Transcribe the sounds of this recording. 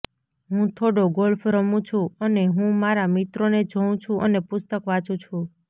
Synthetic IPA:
ɦũt̪ʰoɽoɡolfɾəmũt͡ʃʰũəneɦũmaɾamit̪ɾoned͡ʒʱəũt͡ʃʰũʔənepʊst̪əkʋat͡ʃũt͡ʃʰũ

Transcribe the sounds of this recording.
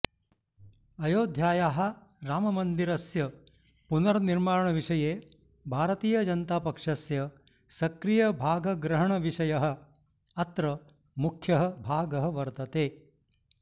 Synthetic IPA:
ɐjoːd̪ʱjaːjaːɦɐ̆ɾaːmɐmɐnd̪iɾɐsjɐ | punɐɾɐniɾmaːɾɐɳɐʋiʂɐjeː | bʱaːɾɐt̪iːjɐd͡ʒɐnt̪aːpɐkʂɐsjɐ | sɐkɾijɐbʱaːɡɐɡɾɐɦɐɳɐʋiʂɐjɐɦɐ̆ | ɐt̪ɾɐ | mukʰjɐɦɐ̆bʱaːɡɐɦɐ̆ʋɐɾt̪ɐt̪eː

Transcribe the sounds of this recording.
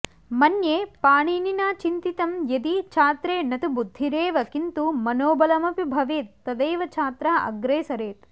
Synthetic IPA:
mɐnjeːpaːɳiːninaːt͡ʃint̪it̪ɐmjɐd̪it͡ʃʰaːt̪ɾeːnɐt̪ubud̪ʱːiɾeːʋɐkint̪umɐnoːbɐlɐmɐpibʱɐʋeːt̪ːɐd̪eːʋɐt͡ʃʰaːt̪ɾaːɐ̰ɡɾeːsɐɾeːt̪

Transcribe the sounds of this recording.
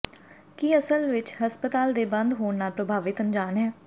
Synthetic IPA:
kiəsəlʋɪt͡ʃhəspət̪aːld̪eːbə̃nd̪ɦoːɳnaːlpɾəbʱaːʋɪt̪ənd͡ʒaːnɦɛː

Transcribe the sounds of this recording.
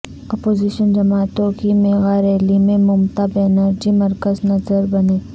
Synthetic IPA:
ɔːpoːziːʃənd͡ʒɐmaːt̪õkimeːɣaːɾɛːlimẽmʊmt̪abeːnəɾd͡ʒimɐɾkəznɐzəɾbɐneː

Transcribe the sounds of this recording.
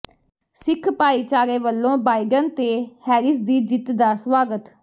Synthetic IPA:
sɪkʰpaːiːt͡ʃaːɾeːʋəlːõːbaːiɖənt̪eːhɛːɾɪsd̪iːd͡ʒɪt̪d̪aːsʋaːɡət̪

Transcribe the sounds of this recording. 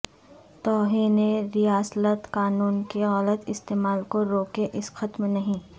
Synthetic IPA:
t̪ɔːɦiːneɾijaːslət̪kaːnuːnkeɣɐlət̪ɪst̪eːmaːlkoɾoːkeʔɪsxɐt̪mnɐɦĩː

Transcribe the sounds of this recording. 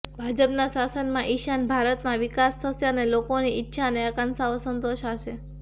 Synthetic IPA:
bʱad͡ʒəpnãsasənmãʔiʃanbʱaɾət̪nãʋikasːəsjanelokoniʔɪtːʃʰaneəkansaosənt̪oʃat͡ʃʰe

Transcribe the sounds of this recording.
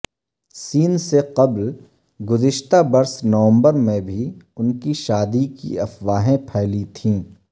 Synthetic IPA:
siːnseqɐbl | ɡʊzɪʃt̪abɐɾsnɐʋə̃mbəɾmẽbʱiʊnkiʃaːd̪ikḭɐfʋaːɦẽpʰɛːlit̪ʰĩː

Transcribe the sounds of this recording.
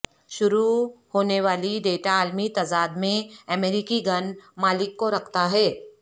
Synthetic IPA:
ʃʊɾuhoːneʋaːliɖeːʈaːlmit̪aːzaːd̪mẽɐmɛːɾiːkiɡɐnmaːlɪkːoɾɐkʰt̪aɦɛː

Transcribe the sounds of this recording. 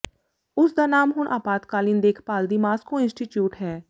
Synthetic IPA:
ʊsd̪aːnaːmɦʊɳʔa̰ːpaːt̪kaːliːnd̪eːkʰpaːld̪iːmaːskõːɪ̃nsʈiːʈjuːʈɦɛː

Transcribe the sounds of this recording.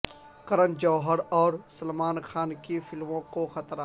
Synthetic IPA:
kɐɾə̃nd͡ʒɔːɦəɾɔːɾsɐlmaːnxaːnkifɪlmõkoxɐt̪ɾa

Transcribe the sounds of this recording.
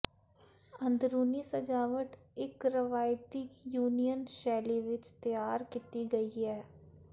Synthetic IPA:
ə̃nd̪ɾuːnisəd͡ʒaːʋəʈɪkɾəʋaːjt̪ɪkjuːnijənʃɛːliʋɪt͡ʃt̪jaːɾkɪt̪iɡəiːɦɛː

